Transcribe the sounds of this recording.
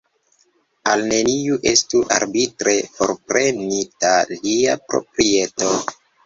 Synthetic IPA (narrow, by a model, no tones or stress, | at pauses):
alne̞niuʔe̞stuʔa̰ɾbitɾe̞fo̞̰ɾpɾe̞nitaliapɾo̞̰pɾie̞to̞